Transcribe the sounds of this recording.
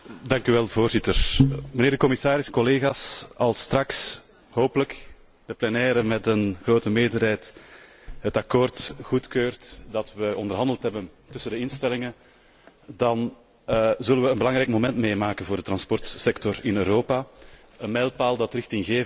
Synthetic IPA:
dɑŋkyʋɛlˠvoːrzɪtərməneːrdəkɔmɪsaːɾɪsɛkɔleːɣaːsɑlˠstrɑks | ɦoːpələk | d̥əplɛnɛːɾəmɛtənɣroːtəmeːdərɦɛːjt | ɦətɑkoːrtxutkøːrtdɑtʋəɔndərɦɑndəlˠtɦɛbəntʏsəndəɪnstɛlɪŋə | dɑn | zɵlənʋəənbəlɑŋɾɛjkmomɛntmeːmaːkənvoːrdət̪rɑnspɔrtsɛktɔrɪnøːɾoːpa | ənmɛlˠpaːlˠdɑtrɪxtɪŋɣeː

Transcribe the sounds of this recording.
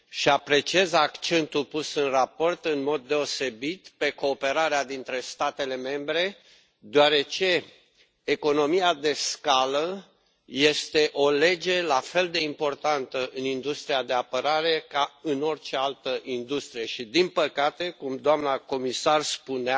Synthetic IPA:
ʃiapɾe̞t͡ʃiezakt͡ʃe̞nt̪ulpusɨnrapo̞rt̪ɨnmo̞d̪ːe̞o̞se̞bit̪pe̞ko̞ːpe̞ɾaɾead̪int̪ɾe̞st̪at̪e̞le̞me̞mbɾe̞ | d̪oaɾe̞t͡ʃe̞ː | ko̞no̞miad̪e̞skalə | je̞st̪e̞ʔo̞le̞d͡ʒe̞lafe̞ld̪e̞impo̞rt̪ant̪əʔɨnind̪ust̪ɾiad̪e̞apəɾaɾe̞kaɨno̞rt͡ʃe̞alt̪əʔind̪ust̪ɾije̞ʃid̪inpəkat̪e̞kumd̪oamnako̞misarspunea

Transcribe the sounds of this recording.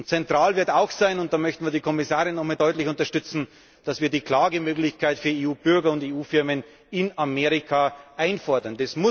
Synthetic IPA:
ʊnt͡sɛntʁ̥aːlvɪɐtaʊxsaɪnʊnt̚d̥aːmœçtn̩viɐdiːkʰɔmɪsaːʁɪnːɔxmaːldɔʏtlɪçʊntɐʃtʏt͡sn̩ | d̥asviːɐdiːkl̥aːɡəmøːklɪçkʰaɪtfyːɐeːuːb̥ʏɐɡɐʊnteːuːfɪɐmən | ɪnameːʁɪkʰaʔaɪnfɔɐdɐndɛsmʊ

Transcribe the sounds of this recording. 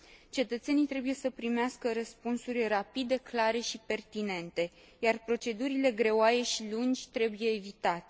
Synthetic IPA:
t͡ʃe̞t̪ət̪se̞nijt̪ɾe̞buje̞səpɾimeaskəɾəspunsurʲrapid̪e̞klaɾe̞ʃipe̞rt̪ine̞nt̪e̞ | jarpɾo̞t͡ʃe̞d̪uɾile̞ɡɾe̞oajeʃilund͡ʒʲt̪ɾe̞buje̞ːvit̪at̪e̥

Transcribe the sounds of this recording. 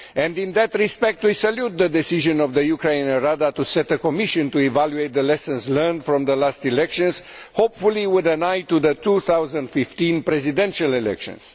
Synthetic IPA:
ɛ̃nd̪ĩnðət̪ɹispɛk̚t̪wisaljut̪̚ðəd̪ɛsiʒə̃nɔvðəjukɾenəɾad̪at̪usɛt̪əkomiʃə̃nt̪uivaljuejt̪̚d̪əlɛsə̃nzlɜ˞nd̪fɾɔ̃mðəlast̪ilɛkʃə̃nz̥ | hopfuliwud̪ənajt̪uðət̪uθawzə̃nd̪fift̪ĩnpɾɛzid̪ɛ̃nʃalɛlɛ̰kʃə̰̃ns

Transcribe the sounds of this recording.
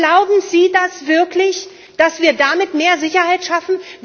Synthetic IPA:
laʊbm̩ziːdasv̥ɪɐkʰlɪç | d̥asv̥iːɐdamɪtmeːɐzɪçɐhaɪtʃafn̩

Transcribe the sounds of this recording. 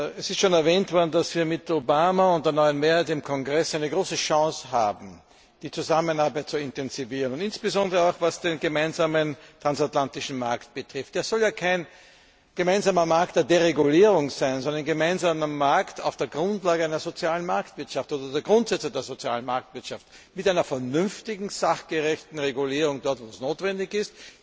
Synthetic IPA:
ɛsɪstʃoːnɛɐvɛːntv̥ɔɐdn̩d̥asv̥iːɐmɪtʰobaːmaʊ̃nt̚d̥eːɐnɔʏənmeːɐhæɪtɪmkʰɔŋɡʁɛsʔæɪnəɡʁoːsəʃɑ̃ːsha̰ːbm̩ | d̥iːt͡suzamənaɐbæɪt̚t͡suɪ̃ntɛnz̥iviːʁənʊntɪnsb̥əzɔndəʁəaʊxvasd̥eːnɡəmaɪnzaːməntʁ̥ansatlantɪʃn̩maɐkt̚b̥ətʁ̥ɪft̚d̥eːɐz̥ɔljaːkʰæɪn | ɡ̥əmæɪnzaːmɐmaɐk̚td̥eːɐdeʁeɡuliːʁʊŋz̥æɪnzɔndənɡəmæɪnzaːməmaɐkta̰ʊfd̥eːɐɡʁʊ̃ntlaːɡəæɪnɐzot͡sjaːlənmaɐktv̥ɪɐtʃaftʔoːdɐdeːɐɡʁʊ̃ntz̥ɛt͡sədeːɐzot͡sja̰ːlən̩maɐk̚tv̥ɪɐtʃaft | mɪtʔæɪnɐfɛɐnʏmftɪɡŋ̩z̥aχɡ̥əʁɛçtn̩ʁeɡuliːʁʊŋdɔɐtvoːsnoːtvɛndɪçɪst

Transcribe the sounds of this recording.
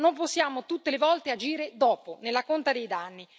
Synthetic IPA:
nomposːjaːmot̪ut̪ːelevɔlt̪ead͡ʒiːɾed̪ɔːponelːakont̪ad̪ejd̪anːi

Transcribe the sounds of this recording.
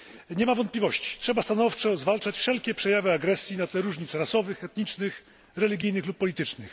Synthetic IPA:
ɲɛmavɔnt̪plʲivɔɕt͡ɕi̥tʂɛbast̪anɔft͡ʂɔzvalt͡ʂat͡ɕfʂɛlkʲɛpʂɛjavɘaɡɾɛsʲjinat̪lɛɾuʐɲit̪sɾasɔvɘxɛt̪ɲit͡ʂnɘx | ɾɛlʲiɡʲijnɘxlupːɔlʲit̪ɘt͡ʂnɘx

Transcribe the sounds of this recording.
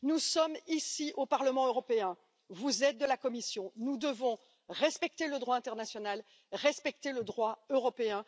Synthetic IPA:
nusɔmisiʔopaʁləmɑ̃øʁɔpeɛ̃ | vuzɛt̪̚d̪əlakɔmisjɔ̃nud̪əvɔ̃ | ʁɛspɛk̚t̪eləd̪ʁwaɛ̃t̪ɛʁnasjɔnal | ʁɛspɛk̚t̪eləd̪ʁwaøʁɔpeɛ̃

